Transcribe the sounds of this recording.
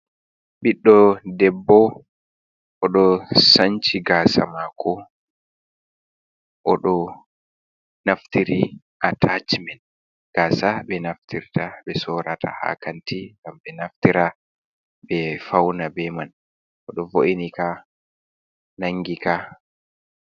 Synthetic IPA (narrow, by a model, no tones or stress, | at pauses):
ɓiɗːɔdɛbːɔ | ʔɔɗɔsaɲt͡ʃiɡaːsa̰makʰɔ | ʔɔɗɔ | naftiɾi | ʔatʰat͡ʃmɛn | ɡ̥aːsaɓɛnaftiɾtaɓɛsɔɾatʰa̰ha̰kantiŋɡamɓɛnaftiɾa | bɛfawnabɛman | ʔɔɗɔvoʔinika | naŋɡika